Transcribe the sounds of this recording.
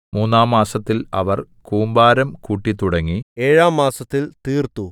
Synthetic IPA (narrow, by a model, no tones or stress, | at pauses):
muːnːaːmːaːsɐt̪ːilɐ̰ʋɐr | kuːmbaːɾɐmkuːʈːit̪uɽɐŋːieːɻaːmːaːsɐt̪ːilt̪iːrt̪ːu